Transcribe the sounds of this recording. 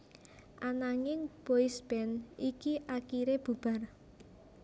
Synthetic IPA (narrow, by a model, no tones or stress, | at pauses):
ʔanaŋɪŋb̥oisb̥ɛnikiʔakiɾeb̥ub̥a̤r